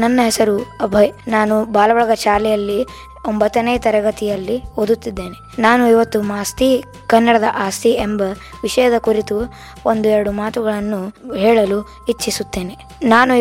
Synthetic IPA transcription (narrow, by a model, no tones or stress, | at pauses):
nɐnːɐɦɛsɐɾuɐbʱɐjnaːnubaːlɐʋɐɭɐɡɐʃaːlɛjɐlːi | ombɐt̪ːɐnejt̪ɐɾɐɡɐt̪ijɐlːiod̪ut̪ːid̪ːe̞ːnenaːnuiʋɐt̪ːumaːst̪i | kɐnːɐɽɐd̪ɐʔaːst̪ʰiembɐʋiʂɐjɐd̪ɐkuɾit̪u | ond̪uɛɾɐɽumaːt̪uɡɐɭɐnːuɦɛːɭɐlu | it͡ʃːisut̪ːe̞ːne | naːnu